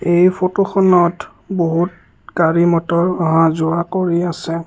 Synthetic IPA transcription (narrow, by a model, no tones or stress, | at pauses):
ejpʰotoxɔnɔt | boɦut | kaɹimɔtɔɹaɦãzʊɹakoɹiasɛ